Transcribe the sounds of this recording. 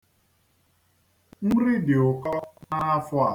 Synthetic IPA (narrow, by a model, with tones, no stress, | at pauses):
n̩˦ɾi˦dɪ˨ʊ˨kɔ˦na˦a˦fʊ˦a˨